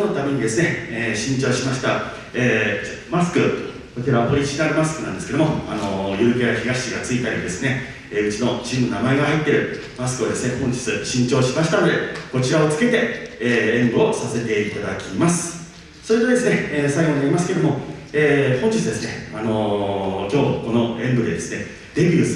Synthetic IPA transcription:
ono̞t̪ame̞ɲ̟id̪e̞sɨne̞eːɕĩɲt͡ɕo̞ːɕimaɕi̥t̪a | eːmasɨ̥kɯ̟ | kot̪eɾaβpoɾʲiʑinaɾɯ̟masɨ̥kɯnãnd̪e̞sɨ̥ke̞d̪omoa̰no̞jɯ̟ɾɯ̟kejaçiɡaɕi̥ɕiɡat͡sɨit̪aɾʲid̪e̞sɨne̞ | eːɯ̟t͡ɕino̞t͡ɕimɯnonamae̞ɡaɦait̪ːe̞ɾɯ̟ | masɨ̥kɯ̟o̞d̪e̞sɨne̞hõ̞ɲ̟d͡ʑi̥t͡sɨɕĩɲt͡ɕo̞ːɕimaɕi̥t̪ano̞d̪e̞ko̞t͡ɕiɾao̞t͡sɨ̥ke̞t̪e̞eːẽ̞mbɯ̟o̞sase̞t̪e̞it̪ad̪akʲimasɨ̥ | so̞ɾʲit̪o̞d̪e̞sɨne̞eːsaiɡo̞ɲiaɾʲimasɨ̥ke̞d̪o̞moeːhõ̞ɲ̟d͡ʑit͡sɨd̪e̞sɨne̞ano̞kʲo̞ːko̞no̞ẽ̞mbɯ̟d̪e̞d̪e̞sɨ̥ne̞ | d̪e̞bʲɨːsɨ

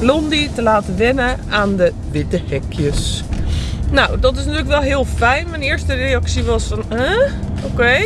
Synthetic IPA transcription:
blonditəlaːtəʋɪnə | aːndə | ʋɪtəhɛkʰjəs | nawdɔtɪs̬nətyːələkʋɛlˠɦɪəlˠfɛjnmanɪːɹstəreaksiʋɔsfɔnəokeː

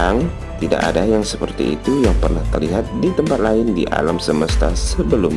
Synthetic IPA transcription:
aŋ | t̪ida̰ʔa̰dajaŋsəpərt̪ḭḭt̪ujaŋpərnaht̪ərliɦat̪̚dit̪əmpat̪̚laɪndḭʔa̰lamsəməst̪asəbəlʊm

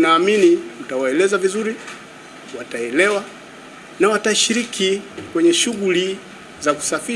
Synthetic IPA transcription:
naːminiutawaɛlɛzavizuɾi | wataɛlɛwa | nawataʃiɾikikwɛɲɛʃuɣuli | zaku̥safi

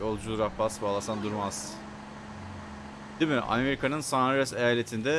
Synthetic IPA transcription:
o̞lˠd͡ʒulˠuɾabasbaːlˠasand̪uɾmaz̥ | d̪̥imɪʔa̰meɾikʰanɯnsanaɾɛsejaːlʲe̞t̪ʰind̪ɛ

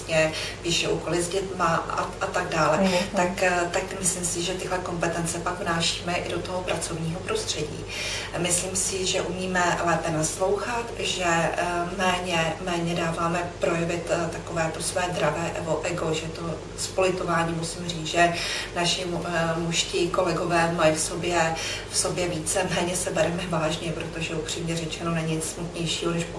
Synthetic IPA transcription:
ɲɛvɪʃɛʔuːko̞lɪzɟɛt̪maa̰at̪aɡ̚daːlɛt̪akt̪akmɪslɪmsɪʒɛt̪ɪɦlɛko̞mpɛt̪ɛnt͡sɛpakvnaːʃi̥ːmɛʔɪ̰do̞t̪oɦopɾʔat͡so̞vɲiːɦo̞pɾo̞st̪r̥ɛɟḭː | mɪslimsɪʒɛʔumiːmɛlɛːpɛnaslo̞wxat̪ʒɛmɛːɲɛmɛːɲɛdaːvaːmɛpɾo̞jɛvɪt̪t̪ako̞vɛːt̪osvɛːd̪ɾavɛːʔɛɡo̞ʔɛɡo̞ʒɛt̪o̞ | spolɪt̪o̞vaːɲiːmusimriːt͡sʒɛnaʃɪmuʃcɪko̞lɛɡo̞vɛːmajifso̞bjɛfso̞bjɛviːt͡sɛmɛːɲɛsɛbɛɾɛmɛvaːʒɲɛpɾot̪o̞ʒɛupr̥iːmɲɛrɛt͡ʃɛno̞nɛɲɲɪt͡ssmut̪ɲɛjʃiːɦonɛʃp

